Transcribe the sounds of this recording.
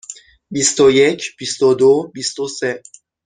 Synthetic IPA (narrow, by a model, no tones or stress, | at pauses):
bist̪ojɛt͡ʃb̥ist̪od̪obist̪osɛ